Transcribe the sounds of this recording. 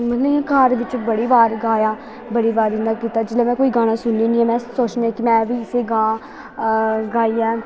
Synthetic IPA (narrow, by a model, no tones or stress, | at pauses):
mət̪ləjãːkaːɾʋɪt͡ʃbəɽiːʋaːɾɡaːjaː | bəɽiːʋaːɾɪnd̪aːkiːt̪aːd͡ʒɪlẽːmɛ̃ːkoːiːɡaːɽ̃ãːsʊnːiːnĩːɛ̃ːmɛ̃ːsoːt͡ʃnɛːkɪmɛ̃ːʋiːɪseːɡãː | ɡaːiːɛː